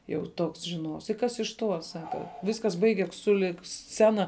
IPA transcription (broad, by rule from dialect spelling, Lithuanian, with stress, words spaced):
jɛʊ ˈtoːks ʒʲɪˈnuɔws ɪ ˈkɐs ɪʃ ˈtuɔ ˈsɑːkɐ ˈʋʲɪskɐs ˈbɐɪɡʲɛs sʊˈlʲɪk ˈsʲt͡sʲæːnɐ